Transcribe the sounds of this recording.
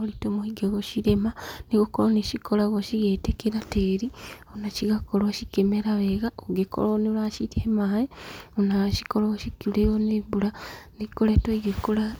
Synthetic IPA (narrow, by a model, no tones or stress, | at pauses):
olitomohiɡeɣoʃiɾemaniɣokoloniʃikolaɣoʃiɣeːtekeɾateːɾionaʃiɣakolaʃikemeɾaβeɣaoɡeko̰lonilaʃiteemaːjeonaʃikoloɣoʃikileɣonebuɾanikoletoiɡekola